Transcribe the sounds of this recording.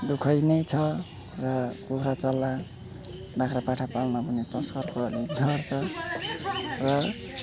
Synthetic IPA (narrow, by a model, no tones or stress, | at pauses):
d̪ukʰʌjnʌjt͡sʰʌ | rʌkuɦɾat͡sʌlːa | bakʰɾapaʈʰapalnʌbʱunet̪ʌskʌrkoʌlid̪ʱʌrt͡sʰʌ | rʌ